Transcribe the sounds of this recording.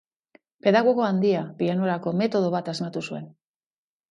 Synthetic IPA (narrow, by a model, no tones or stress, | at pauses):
pe̞ðaɣo̞ɣo̞and̪iapiano̞ɾako̞me̞t̪o̞ð̞o̞βat̪azmat̪usue̞n